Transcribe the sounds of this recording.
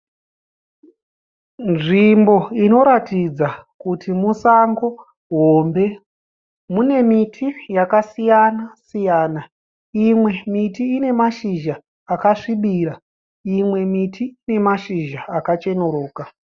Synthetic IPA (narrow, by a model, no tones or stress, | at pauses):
nʐimbo̞ino̞ɾatid͡zakutʰimusaŋɡo̞ | ɦombe̞ | mune̞mitʰijakasijanasijaːna | imwe̞mitiːne̞maʃiʒaː | kaʂiɓiːɾa | imwe̞mitiine̞maʃiʒaakat͡ʃe̞noɾoːka